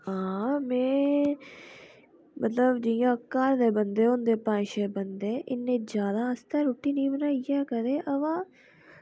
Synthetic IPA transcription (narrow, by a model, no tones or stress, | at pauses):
ɦãːmẽː | mət̪ləbd͡ʒɪjãːkːaːɾd̪eːbənd̪eːond̪eːpãːʃeːbənd̪eːʔɪnːẽːd͡ʒjaːd̪aːəst̪eːɾoːʈːiːnĩːbənaːijɛːkəd̪eːʔəʋãː